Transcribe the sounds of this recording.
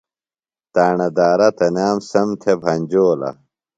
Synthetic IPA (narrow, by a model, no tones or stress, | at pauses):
t̪aːɳɐd̪aːɾɐt̪ɐnaːmsɐmt̪ʰebʱɐnʲd͡ʑoːlɐ̰